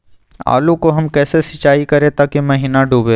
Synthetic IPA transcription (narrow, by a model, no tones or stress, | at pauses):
a̰ːlũkoɦɐmkɛːsesɪt͡ʃaːikɐɾẽt̪akemɐɦiːnaɖʱuːbeː